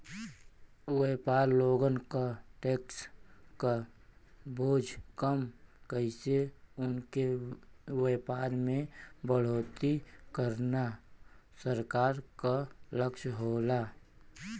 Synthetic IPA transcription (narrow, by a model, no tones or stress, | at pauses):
weːpaːɾloːɡənkaʈeːkska | bʱoːd͡ʒʱkəmkəɪseʊnke | weːpaːɾmẽbəɽ̤oːt̪ikəɾnasəɾkaːɾkaləkʃɦoːla